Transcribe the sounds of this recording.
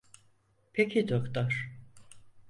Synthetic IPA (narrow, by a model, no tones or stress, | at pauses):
pʰecʰid̪okt̪ɔɾ̥